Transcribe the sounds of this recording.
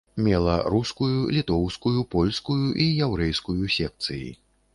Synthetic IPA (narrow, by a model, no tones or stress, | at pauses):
mʲɛlˠɐ̰ɾuskujulʲit̪ɔwskujupɔlʲskujuʔijɛwɾɛjskujusʲɛk̚t̪sɨjḭ